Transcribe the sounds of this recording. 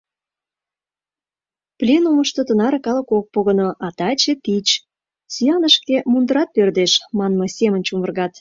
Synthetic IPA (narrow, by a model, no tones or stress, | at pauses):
plʲenuməʃt̪ot̪ənɑɾekɑlə̆kok̚poɣənoʔɑt̪ɑt͡ɕepit͡ɕ | syɑnəʃkemund̪əɾɑt̪̚pørd̪eʃmɑnmosʲemənt͡ɕumərɣɑt̪